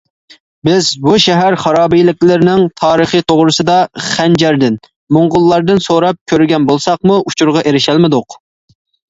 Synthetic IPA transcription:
bɪzbuʃɛɦæɾχɑɾɑːbijlɪkʲlɪɾɪnɪŋt̪ʰɑːɾəχit̪ʰoʁɾɨsɨd̪ɑχænd͡ʒæɾd̪ɪn | moŋʁʊlˠːɑɾd̪ɨnsoɾɑp̚kʲʰøɾɪɡʲɛnbolˠsɑqmuʔut͡ʃʰuɾʁɑʔeɾɪʃælmɪd̪ʊq

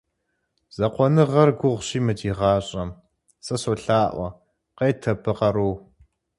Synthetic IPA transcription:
z̥ɐqʷɔnɨʁɐrɡʷʊʁʷɕiːmɨdʰiːʁɑːɕʼɐm | sɐsoːɬaːʔʷɐ | qejtʰɐpʰɨqɐɾoː

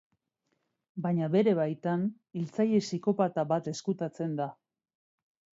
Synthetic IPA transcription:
baɲaβe̞ɾe̞βajt̪an | ilt͡saje̞siko̞pat̪aβat̪e̞skut̪at͡se̞nd̪a

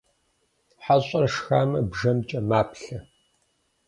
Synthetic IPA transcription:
ħaɕʼɐrʂxaːmɐbʒɐmt͡ʃʼɐmaːpʰɬɐ

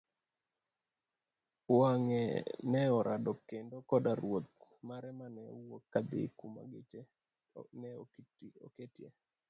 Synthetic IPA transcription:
waŋɛnɛɔɾʔadɔkːendokɔdaɾwot̪̚maɾɛmanɛwokːad̪ɪ̰kuma̰ɡet͡ʃe | nɛɔkto̰ketjḛ

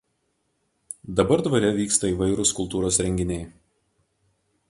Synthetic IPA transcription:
d̪ɐbɐɾd̪ʋɐɾʲɛʋʲiːkst̪ɐiʋɐɪɾʊskʊlˠt̪uːɾoːsɾʲɛŋʲɡʲɪnʲɛɪ

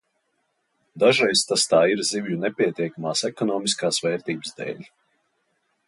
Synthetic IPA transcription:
d̪aʒɛjst̪ast̪aːiɾzivjunɛpʲiɛt̪ʲiɛkamaːsɛkɔnɔːmiskaːsvɛːɾt̪iːbzd̪ɛ̰ːlʲ

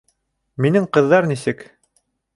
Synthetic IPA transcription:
minɘŋqɤ̆ðːɑɾnisɘk

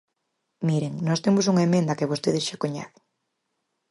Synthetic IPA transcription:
miɾeŋnɔst̪emos̬uŋaemẽnd̪ɐkeβ̞ost̪eðesʃakoɲa̰θe̥ŋ

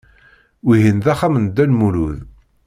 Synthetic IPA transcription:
wiɦinðæχamənd̪ːænmuluð

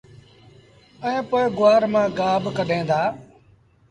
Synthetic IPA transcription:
əẽːpoːeɡʊʋaːɾmãːɡaːbkəɗẽːd̪aː

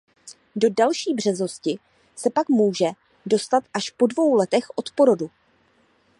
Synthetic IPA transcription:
do̞dalʃiːbr̝̥ɛzo̞scɪ | sɛpakmuːʒɛ | do̞st̪at̪ʔaʃpo̞dvo̞wlɛt̪ɛxʔo̞t̪po̞ɾo̞du

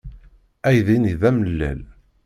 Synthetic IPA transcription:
æjðiniðæməlːæ̰l

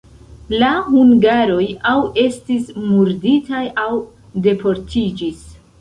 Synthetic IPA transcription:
lahuŋɡaɾo̞jawe̞stismuɾditajaw | de̞po̞ɾtʰid͡ʒis

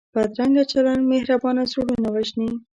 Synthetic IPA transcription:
bad̪ɾaŋɡat͡ʃalanmehɾabɑnazoɽunawaʒni

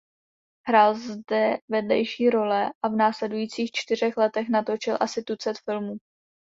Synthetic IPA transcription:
ɦɾaːlzdɛvɛdlɛjʃiːɾo̞lɛʔavnaːslɛdujiːt͡siːxt͡ʃt̪ɪr̝ɛxlɛt̪ɛxnat̪o̞t͡ʃɪlʔasɪt̪ut͡sɛt̪fɪlmuː

